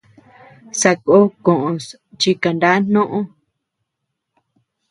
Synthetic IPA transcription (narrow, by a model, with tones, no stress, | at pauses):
sa˧ko˦kõ˨ʔõ˧˨s | t͡ʃi˧ka˨nda˦n̥õ˦ʔõ˦